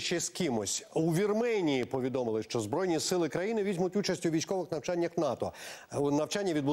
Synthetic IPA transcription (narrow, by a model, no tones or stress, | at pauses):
ʃt͡ʃɛskɪmɔsʲuʋʲirmɛnʲijipɔʋʲid̪ɔmɪlˠɪʃt͡ʃɔzbɾɔjnʲisɪlˠɪkɾɐjinɪʋʲizʲmʊtʲut͡ʃɐsʲtʲʊʋʲijsʲkɔʋɪxnɐwt͡ʃanʲːɐxnɑt̪ɔ̰nɐwt͡ʃanʲːɐʋʲid̪̚bʊ